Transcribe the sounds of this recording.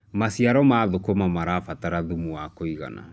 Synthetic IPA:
masiaɾɔmaðokomamaɾafataɾaðumuwakoiɣa̰na̰

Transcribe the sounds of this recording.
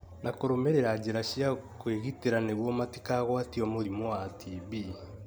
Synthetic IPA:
nʔakoɾomeɾeɾad͡ʒeɾaʃiakweɣiteɾaneβwɔmatikaɣwatiɔmoɾimoatiβi

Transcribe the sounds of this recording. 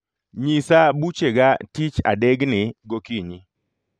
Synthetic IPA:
ɲisabut͡ʃeɡatit͡ʃa̰dɛɡnɪɡokiɲi

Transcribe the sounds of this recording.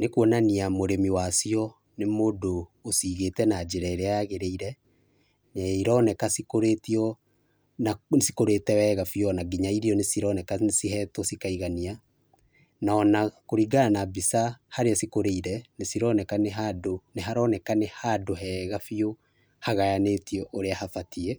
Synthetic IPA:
nekwɔnaniamoɾemiwasiɔ | nemodoː | siːɣetɛnad͡ʒeɾɛɾɛaɣeɾeiɾɛ | nɛiɾɔnɛkasikoɾetiɔ | nasi̥koɾetɛwɛɣafiɔnaɡiɲaiɾiɔnesiɾɔnɛkasiɦɛtɔsikaiɣania | naɔnakoɾiɡaanabisahaɾeasikoɾeiɾɛnesiɾɔnɛkaneɦadoneɦaɾɔnɛkanehadoɦɛɣafio | haɣajanetiɔʔoɾeahafatiɛ

